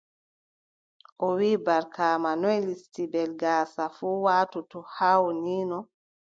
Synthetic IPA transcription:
ʔɔwiːbaɾkaːmanɔjlistibɛlɡaːsafuːwaːtutɔhaːwniːnɔ

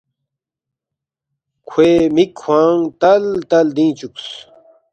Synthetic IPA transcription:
kʰweːmikʰːwãːŋt̪ɐlt̪ɐld̪ĩːt͡ɕuks

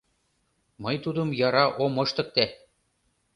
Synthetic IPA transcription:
mɤjt̪ud̪ɤ̆mjɑɾɑʔomɤ̆ʃt̪ɤ̆k̚t̪æ

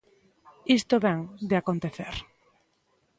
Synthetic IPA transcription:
ist̪oβɛŋd̪eakont̪eθeɾ

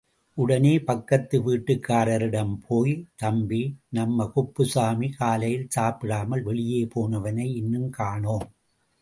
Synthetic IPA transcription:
ʔʊɽɐneːpɐkːɐt̪ːɯʋiːʈːɯkːaːɾɐɾɪɽɐmpʰoːjt̪ɐmbinɐmːɐkʊpːɯsaːmikaːlɐjɪlsaːpɪɽaːmɐlʋɛɭɪjeːpoːnɐʋɐnɐɪɪnːɯmkaːɳoːm

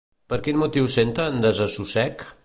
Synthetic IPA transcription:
pəɾkinmut̪iwsent̪əːnd̪əzəsusɛk

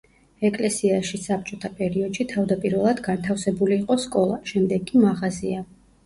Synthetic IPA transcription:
ɛkʼlɛsiaʃisap̚ʰt͡ʃʼɔt̪ʰapʼɛɾiɔd̪̥ʃit̪ʰavd̪apʼiɾvɛlˠad̪ɡant̪ʰafsɛbuliːqʼɔskʼɔlˠaʃɛmd̪ɛɡːʼimaʁazia

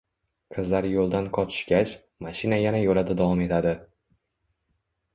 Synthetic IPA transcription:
qʰɨzlaɾjolˠd̪anqʰɒt͡ʃ̪ʰɪ̥ʃkʲat͡ʃ | maʃɪnajanajolad̪ad̪avɒme̞t̪ʰad̪ɪ

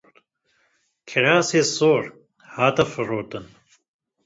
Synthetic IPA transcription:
kʰiɾaːseːsoːɾ | haːt̪ɐfɨɾoːt̪ɨn

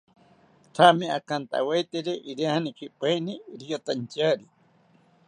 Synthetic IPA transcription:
t̪ʰamẽakant̪a̰wajt̪eɾeʔiɾiahanikʰipajniɾiot̪ant͡ʃaɾi

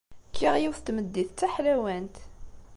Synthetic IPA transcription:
kʰːiʁjiwθt̪məd̪ːiθt͡sːæħlæwænt̪

